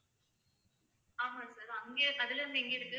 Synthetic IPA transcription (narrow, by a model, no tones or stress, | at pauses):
aːmaːsaːɾɐŋɡeːkɐðɪlɯnd̪ɛŋɡeɪɾɯkːɯ